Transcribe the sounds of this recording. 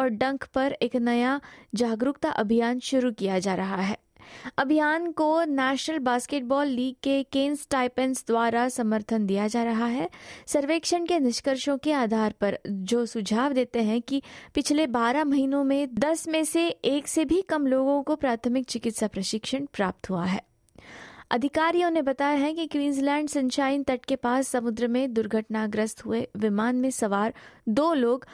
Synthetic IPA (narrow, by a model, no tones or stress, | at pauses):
ɔːɾɖɐ̃ŋkpɐɾeːknɐjad͡ʒaːɡɾʊkt̪aʔɐbʱijaːnʃʊɾukijad͡ʒaːɾɐɦaɦɛːɐbʱijaːnkonɛːʃnəlbaːskeːʈ̚bɔːlːiːɡ̚kekeːnsʈaːɪpənsd̪waːɾasɐməɾt̪ʰənd̪ijad͡ʒaːɾɐɦaɦɛsɐɾʋeːkʃənkenɪʃkəɾʃõkeaːd̪ʱaːɾpɐɾd͡ʒoːsʊd͡ʒʱaːʋd̪eːt̪eɦɛ̃kipɪt͡ʃʰlebaːɾamɐɦiːnõmẽd̪ɐsmẽseeːksebʱikɐmloːɡõkopɾaːt̪ʰəmɪk̚t͡ʃɪkɪt̪sapɾɐʃɪkʃəɳpɾaːp̚t̪ɦuaɦɛː | ɐd̪ʱɪkaːɾijõnebɐt̪aːjaɦɛ̃kikwiːnzlɛ̃ːɳɖsɐ̃ɲt͡ʃaːɪnt̪ɐʈkepaːsːɐmʊd̪ɾəmẽd̪ʊɾɡʱəʈnaɡɾəst̪ɦueʋɪmaːnmẽsɐʋaːɾd̪oːloːɡ